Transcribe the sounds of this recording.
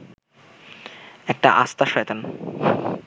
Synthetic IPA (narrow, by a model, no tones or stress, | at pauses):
ɛk̚ʈa̰ʔa̰st̪aʃajt̪an